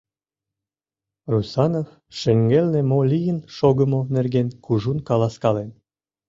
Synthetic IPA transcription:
rusɑnof | ʃə̆ŋɡelnĕmolʲijənʃoɣə̆monerɡenkuʒunkɑlˠɑskɑlen

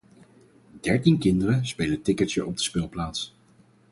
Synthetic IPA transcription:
d̥ɛɹtinkɪndərəspejlətɪkətjəɹʔɔb̚dəspɪlˠplaːts

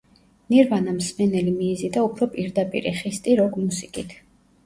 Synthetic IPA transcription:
niɾvanamsmɛnɛlimiːzid̪aupʰɾɔpʼiɾd̪apʼḭɾḭχist̪ʼiɾɔɡmusikʼit̪ʰ

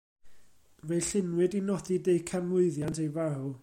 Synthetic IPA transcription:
vejɬɪnwɨdinɔθidejkʰamʊɨðjantʰejvaɾu

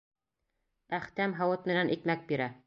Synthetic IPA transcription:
æχt̪æmɦɑwɤt̪̚mɘ̆nænʔikmæk̚biɾæ

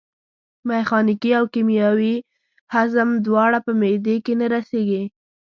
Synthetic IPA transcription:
mexɑnikiawkimjɑwi | hazəmd̪wɑɽapəmed̪ekenaɾaseɡi

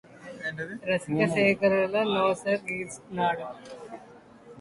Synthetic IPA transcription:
ɾɐskɐʂʃeːkʰɐɾulɐnoːsɐɾɡiːsnaːɽɐ

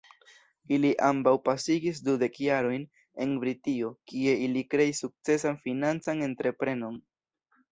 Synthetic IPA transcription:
iliʔambawpasiɡis̬dude̞kjaɾo̞jn | e̞nbɾitio̞kie̞ilikɾe̞isːuk̚t͡se̞sanfinant͡sane̞ntɾe̞pɾe̞no̞n

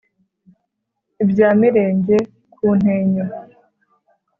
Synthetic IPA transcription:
ibjaːmiɾe̞ːɲɟe̞ | kʰuːn̥heːɲo

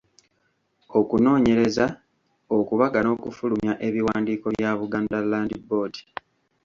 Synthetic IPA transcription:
o̞kuno̞ːɲe̞ɾe̞za | okuβaɡano̞ːkufulumjaʔe̞βiwaːndiːko̞βjaβuɡaːndalːaːndibo̞ːdi̥

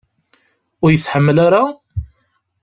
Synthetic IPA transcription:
ʊɾjəθːħəmːlaɾa

